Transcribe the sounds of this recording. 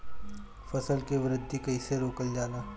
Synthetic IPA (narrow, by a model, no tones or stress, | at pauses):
fɐsəlkeʋɾɪd̪ʱːikɐiseɾoːkəld͡ʒaːnaː